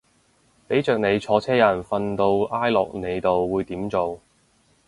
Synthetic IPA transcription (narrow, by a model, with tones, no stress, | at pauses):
p̪e˨˥t͡ʃœː˨k̚ne˨˧jt͡sʰɔː˨˧t͡sʰɛː˥jɐ˨˩nfɐ˧nt̪o˧wʔaː˥jlɔ̰ː˨k̚ne˨˧jt̪o˨wːuː˨˧jt̪iː˨˥mt͡so˨w